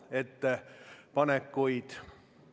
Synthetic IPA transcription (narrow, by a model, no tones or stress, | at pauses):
et̪ːepɑnekːujd̪̥